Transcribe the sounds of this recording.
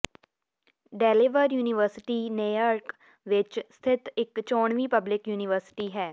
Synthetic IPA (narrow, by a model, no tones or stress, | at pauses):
ɖɛːleːʋəɾjuːnɪʋəɾsɪʈiːneːjaːɾk | ʋɪt͡ʃst̪ʰɪt̪ɪkt͡ʃɔːɳʋiːpəblɪkjuːnɪʋəɾsɪ̥ʈiːɦɛː